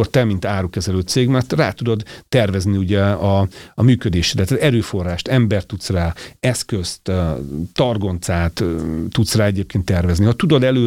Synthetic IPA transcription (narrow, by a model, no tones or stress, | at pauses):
ort̪ɛmint̪aːɾukɛzɛløːt̪seːɡmɛrt̪raːt̪ud̪o̞d̪t̪ɛrvɛzniuɟɛɒɒmyːkød̪eːʃdɛt̪zɛɾøːfo̞rːaːʃt̪ɛmbɛrt̪ːut̪sraːɛskøst̪ː | ɒrɡo̞nt̪saːt̪ːut̪sraːɛɟeːp̚keːnt̪ːɛrvɛznihɒt̪ud̪od̪ɛløː